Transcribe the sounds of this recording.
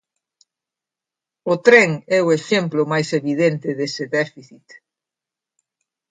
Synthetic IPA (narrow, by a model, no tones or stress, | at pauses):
ʊt̪ɾɛŋɛʊeʃemplʊmajseβiðent̪ɪðesɪðɛfiθit̪